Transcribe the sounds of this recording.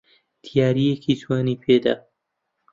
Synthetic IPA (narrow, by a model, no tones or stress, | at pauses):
t̪ʰijaːɾijekʰiːt̪ʰwaːniːpʰeːd̪a̰ː